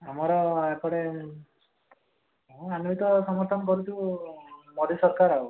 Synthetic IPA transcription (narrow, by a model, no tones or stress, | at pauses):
amɔɾɔekɔɽe | ɦɔ̃anuit̪ɔsɔmɔɾt̪ʰɔnkɔɾut̪ʰu | mɔd̪isɔɾkaɾau